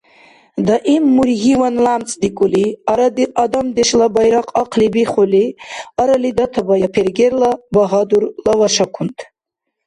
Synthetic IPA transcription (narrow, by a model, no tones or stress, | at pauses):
d̪aʔimːuɾɦiwanlamt͡sʼd̪ikʷʼuliaɾad̪iad̪amd̪eʃlabajɾaqʰʼaqʰlibiχuliaɾalid̪at̪ʰabajapʰerɡeɾlabaɦad̪uɾlawaʃakʰunt̪ʼ